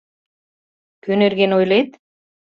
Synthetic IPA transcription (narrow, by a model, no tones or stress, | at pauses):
kønĕɾɣenojlet̪